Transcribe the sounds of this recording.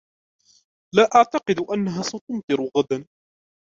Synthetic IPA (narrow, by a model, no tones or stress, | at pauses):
laːʔaʕt̪ɑqɨd̪ʔanːaɦaːsat̪ʊmt̪ɨɾʊɣad̪an